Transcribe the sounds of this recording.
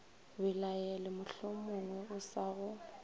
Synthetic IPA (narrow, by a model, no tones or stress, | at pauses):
bɪlajɛlɪmʊɬʊmʊŋwɛʊsaɣʊ